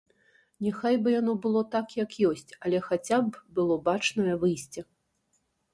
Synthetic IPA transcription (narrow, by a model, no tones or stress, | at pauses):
nʲɛxajbɨjanɔbɨlˠɔt̪akjɐkjɔsʲt͡sʲɐlʲɛxat͡sʲabbɨlˠɔbat͡ʂnɐjɐvɨjsʲt͡sʲɛ